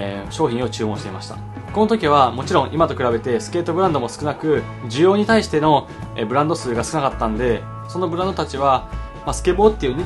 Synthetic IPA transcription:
ɕo̞ːçʲĩɰ̃o̞t͡ɕɨːmõɕit̪e̞imaɕi̥t̪a̰ | ko̞no̞t̪̬o̞kʲiβ̞amo̞t͡ɕiɾõʔimat̪o̞kɯ̟ɾabe̞t̪e̞sɨ̥ke̞ːt̪o̞bɯɾãnd̪o̞mo̞sɨ̥kɯ̟nakɯ̟ | d͡ʑɨjo̞ːɲ̟it̪aiɕi̥t̪e̞no̞ | bɯ̟ɾãnd̪o̞sɨːɡasɨ̥kɯ̟nakat̪ːãnd̪e̞ | so̞no̞bɯ̟ɾãnd̪o̞t̪at͡ɕiβ̞a | masɨ̥ke̞bo̞ːt̪ːeiɯ̟ɲʲi

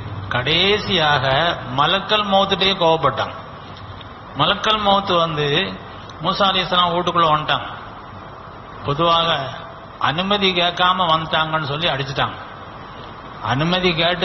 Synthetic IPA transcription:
kɐɽeːsɪjaːɣɐmɐlɐkːɐlmoːt̪ːɯʈ̬ːɐjekoːʋɐp̬ːɐʈːã̰ːŋ | mɐlɐkːɐlmoːt̪ːɯʋɐnd̪ɯ | muːsaːlɐjɐsɐlãːuːʈːɯkːɯɭːɐʋɐnʈ̪aːŋ | pɔðɯʋaːɣɐ | ɐ̰nɯmɐðikeːʈkːaːmɐʋɐnd̪ɯʈaːŋɡɐnːɯsɔlːiɐɽɪt͡ʃːɯʈːa̰ːŋɡɐ | ɐ̰nɯmɐðikeːʈːɯ

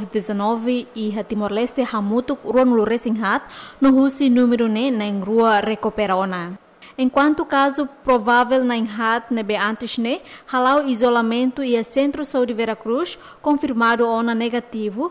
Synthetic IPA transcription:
vit̪̚dɛsanɔveiɦat̪imɔrlɛst̪ehamut̪uk̚ruanuluɾɛsiŋɦat̪̚nuɦusinumɛɾunɛnaiŋruarɛkɔpɛɾɔna | ɛŋkwant̪ukazupɾɔvavɛlnaiŋɦat̪̚nebeant̪it͡ʃnehalawizɔlamɛnt̪uiasɛnt̪ɾɔsaudivɛɾakɾus | kɔnfirmaduɔnanɛɡat̪ivu

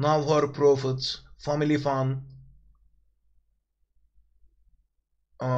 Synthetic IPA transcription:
nawɦɐɾpɾoːfɪt̪sfamɪlifan

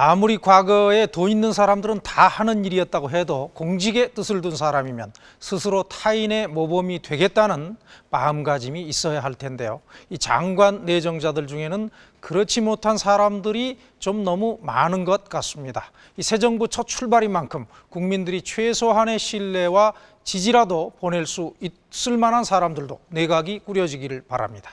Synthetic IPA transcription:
amuɾikwaɡʌe̞toinːɯnsʰaɾamdɯɾɯntahanɯniɾiʌt̚t͈aɡoɦe̞dokoŋd͡ʑiɡe̞t͈ɯsʰɯɭdunsʰaɾamimjʌn | sʰɯsʰɯɾotʰaine̞mobʌmitwe̞ɡe̞t̚t͈anɯnmaɯmɡad͡ʑimiːs͈ʌjaɦaɭtʰe̞nde̞joit͡ɕa̰ŋɡwanːe̞d͡ʑʌŋd͡ʑadɯɭd͡ʑuŋe̞nɯn | kɯɾʌt͡ɕʰimotʰansʰaɾamdɯɾi | t͡ɕomnʌmumanɯnɡʌt̚k͈as͈ɯmɲida | isʰe̞d͡ʑʌŋbut͡ɕʰʌt̚t͡ɕʰuɭbaɾimankʰɯm | kuŋmindɯɾit͡ɕʰwesʰoɦane̞ɕʰiɭːe̞wa | t͡ɕid͡ʑiɾadopone̞ɭs͈uit̚s͈ɯɭmanɦansʰaɾamdɯɭdo̰ne̞ɡaɡik͈uɾjʌd͡ʑiɡiɾɯɭpaɾa̰mɲid̥ḁ

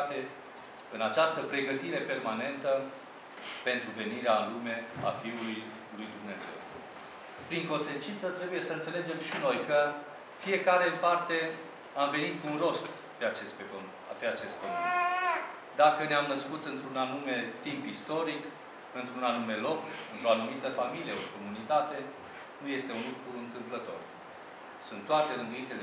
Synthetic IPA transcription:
t̪e | ɨnat͡ʃast̪əpɾe̞ɡət̪iɾe̞pe̞rmane̞nt̪ə | pe̞nt̪ɾuve̞niɾeanlume̞a̰fiuluj | lujd̪umne̞ze̞̰w | pɾiŋko̞nse̞nt͡ʃint̪sət̪ɾe̞buje̞səɨnt̪sele̞d͡ʒe̞mʃino̞jkə | fije̞kaɾe̞ɨmpart̪e̞ | amve̞nit̪kuunro̞st̪ | pe̞at͡ʃespeo | peat͡ʃe̞st̪kome | d̪akəneamnəskut̪ɨnt̪ɾunanume̞t̪impist̪o̞ɾik | ɨnt̪ɾunanume̞lo̞kɨnt̪ɾo̞anumit̪əfamilijeoko̞munit̪at̪e̞ | nuje̞st̪e̞unlukɾuɾuɨnt̪ɨmplət̪o̞̰r | sunt̪ːoat̪e̞ɾɨnd̪uint̪ele

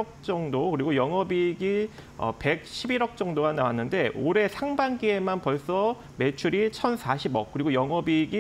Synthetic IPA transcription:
ʌk̚t͡ɕ͈ʌŋdokɯɾiɡojʌŋʌbiɡi | ʌ̰pe̞k̚ɕʰibiɾʌk̚t͡ɕ͈ʌŋdoɡanawanːɯnde̞ʔoɾe̞sʰaŋbaŋɡie̞manpʌɭs͈ʌ | me̞t͡ɕʰuɾit͡ɕʰʌnsʰaɕʰibʌk̚k͈ɯɾiɡojʌŋʌbiɡi

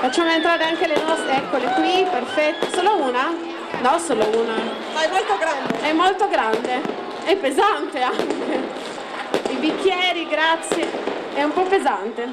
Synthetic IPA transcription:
fat͡ʃːaːmoent̪ɾaːɾeaŋkelenɔst̪ɾeɛkːolekwiperfɛt̪ːesoːlouːna | nɔsoːlouːna | ajmolt̪oɡɾand̪eɛmːolt̪oɡɾand̪e | ɛpːezant̪eaŋke | ibikːjɛːɾiɡɾat̪sːje | ɛumpɔpezant̪e

